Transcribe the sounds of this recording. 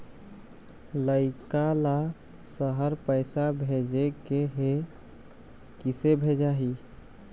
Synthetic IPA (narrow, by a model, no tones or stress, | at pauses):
ləɪkala | səɦəɾpəɪsabʱed͡ʒekeɦe | kisebʱed͡ʒaɦi